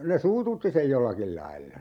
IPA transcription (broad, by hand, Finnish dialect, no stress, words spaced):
ne suːtutːi sej jolːɑkil lɑilːɑ